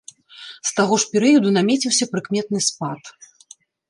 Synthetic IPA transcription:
st̪aɣɔʂpʲɛɾɨjɐd̪unamʲɛt͡sʲiwsʲɐpɾɨkmʲɛt̪̚nɨspat̪

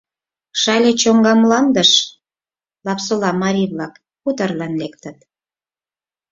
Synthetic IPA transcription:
ʃɑlʲet͡ɕoŋɡɑmlɑnd̪əʃ | lɑpsolɑmɑɾʲiβlɑk | put̪ərlɑnlek̚t̪ət̪̚

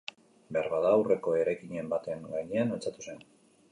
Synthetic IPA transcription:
be̞aɾβaðaːwre̞ko̞e̞ɾajkiɲe̞mbat̪eŋɡajɲe̞analt͡sat̪u̥se̞n

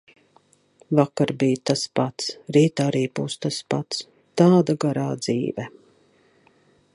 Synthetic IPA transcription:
vakaɾbijt̪aspat̪sɾiːt̪aɾiːbuːst̪aspat̪s | t̪aːd̪aɡaɾaːd̪z̥ḭːvɛ

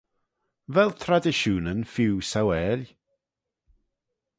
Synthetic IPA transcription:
vɛlˠt̪ʰɾadɪʃuːnənfiwsawɛːlʲ

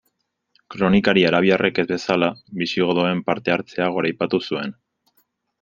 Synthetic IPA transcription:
kɾo̞nikaɾiaɾaβ̞iarʔeke̞zβe̞salaβisiɣo̞ðoe̞mpaɾt̪e̞aɾt͡se̞aɣ̞o̞ɾajpat̪usue̞n

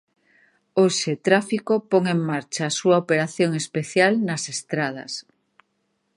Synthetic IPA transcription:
oʃet̪ɾafikopoŋeŋmaɾt͡ʃaːsuaopeɾaθjoŋespeθjalnɐsest̪ɾað̞ɐ̰s

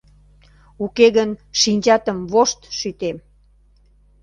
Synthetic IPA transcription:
ukeɣənʃinʲt͡ɕɑt̪əmβoʃt̪ʃyt̪em

